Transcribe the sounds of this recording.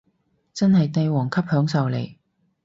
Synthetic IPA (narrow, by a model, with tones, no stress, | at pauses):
t͡sɐ˥nhɐ˨jt̪e˧jwɔː˨˩ŋkʰɐ˥p̚hœː˨˥ŋsɐ˨wlḛ˨˩j